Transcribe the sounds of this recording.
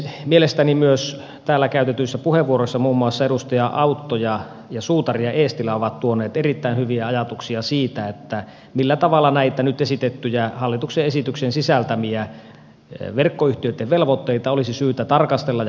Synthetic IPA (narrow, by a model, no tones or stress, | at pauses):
mielest̪ænimyøs | t̪æːlːækæyt̪et̪ysːæpuheʋʋuorosːɑmuːmːuɑsːɑeɾust̪ɑjɑʔɑut̪ːojɑ | jɑsuːt̪ɑriɑʔeːst̪ilæoʋɑt̪t̪uoneːt̪erit̪ːæinhyʋiæɑjɑt̪uksiɑsiːt̪æet̪ːæ | milːæt̪ɑʋɑlːˑɑnæit̪ænyt̪esit̪et̪ːyjæhɑlːit̪ukseesit̪yksensisælt̪æmiæ | ʋerkːoyht̪iøyt̪ːeʋʋelʋot̪ːeit̪ɑolisisyːt̪æt̪ɑrkɑst̪elːɑ